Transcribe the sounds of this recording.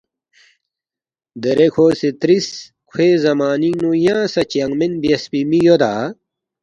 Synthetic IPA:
d̪eɾekʰoːset̪ɾis | kʰweːzɐmaːninujãːsɐt͡ɕɐŋmenbjɐspimijod̪aː

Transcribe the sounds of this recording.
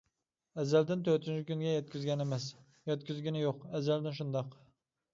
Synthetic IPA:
ɛzːæld̪ɪnt̪ʰøɾt̪ynt͡ʃʰikʲynɡʲɛjɛt̪̚kʲyzɡʲɛnemɛs | jɛt̪̚kʲyzɡʲinɪjoqɛzːæld̪ɪnʃund̪ɑq

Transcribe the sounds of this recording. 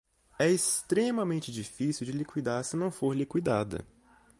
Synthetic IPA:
ɛest̪ɾẽmɐmẽnt͡ʃɪd͡ʒifisiwd͡ʒɪlikwid̪aɾsɪnɐ̃w̃foɾlikwid̪ad̪ɐ̰

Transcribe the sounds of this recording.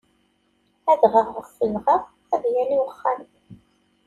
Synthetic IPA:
æðʁəʁːəθəlʁəʁ | æðjæliwəχːan

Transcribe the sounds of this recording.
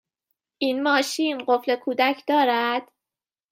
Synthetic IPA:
ʔinmɒːʃiːnɢo̞fle̞kʰuːd̪æcʰd̪ɒːɾæd̪̥

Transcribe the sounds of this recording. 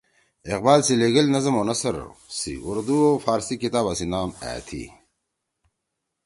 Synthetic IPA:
eq̚baːlsileɡɐlnɐzɐmonɐsɐɾ̰sḭuɾd̪uofaːɾsikit̪aːbasinaːmæ̰ːt̪ʰḭ

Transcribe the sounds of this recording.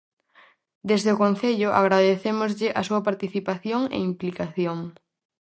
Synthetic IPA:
d̪ezðeʊkõn̟θeʎʊʔa̰ɣɾaðeθemʊzʎɪʔasuɐpaɾt̪iθipaθjoŋḛimplikaθjoŋ

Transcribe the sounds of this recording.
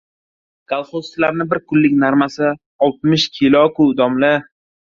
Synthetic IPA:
kʰalˠχost̪laɾnɪbɪɾkʰʊlːɪkʲnaɾmasɪ | ɒlˠt̪̚mɪʃkʲʰɪlɒkʰʊd̪ɒmlɪ

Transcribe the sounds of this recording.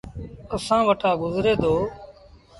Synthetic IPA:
əsãːʋəʈʰaːɡʊzɾeːd̪oː

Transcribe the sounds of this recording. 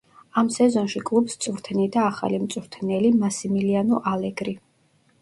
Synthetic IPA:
amsɛzɔnʃikʼlˠupst̪sʼuɾt̪ʰɛnid̪aːχa̰limt̪sʼuɾt̪ʰnɛlimasimilianɔʔalɛɡɾi

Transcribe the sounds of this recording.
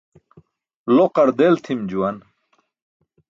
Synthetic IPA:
loqɐɾd̪elt̪ʰimd͡ʑuwɐn

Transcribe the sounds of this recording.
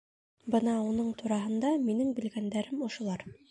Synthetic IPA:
bɤnɑunɤɴt̪uɾɑɦɤ̆nd̪ɑminɘŋbɘ̆lɡænd̪æɾɘmŏʃŏlˠɑɾ

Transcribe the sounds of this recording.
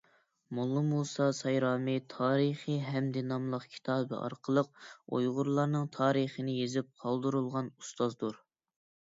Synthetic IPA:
molˠːɨmusɑsɑjɾɑːmɨt̪ʰɑːɾəχiɦɛmd̪ɨnɑmlˠəχkʲʰi̥t̪ʰɑːbɨ̰ʔɑ̰ɾqʰəlˠəq̚o̰jʁʊɾlˠɑɾnɨŋt̪ʰɑːɾəχənɪjezɪp̚qʰɑlˠd̪ɨɾulˠʁɑnust̪ɑzd̪uɾ

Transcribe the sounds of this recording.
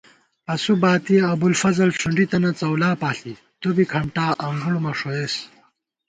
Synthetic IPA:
ɐsubaːt̪iɐbulfɐzɐlʈ͡ʂʰuɳɖit̪ɐnɐt͡sɐwlaːpaːɬi | t̪obikʰɐɳʈaːʔɐŋɡuɽumɐʂoes

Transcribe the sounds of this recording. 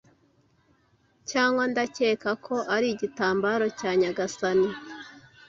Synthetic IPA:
caːŋɡwandace̞ːkakʰo̞ʔaɾiɟitaːmbaɾo̞caːɲaɡasani

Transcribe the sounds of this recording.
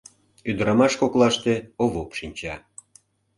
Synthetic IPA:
yd̪əɾɑmɑʃkoklɑʃt̪eoβopʃinʲt͡ɕɑ

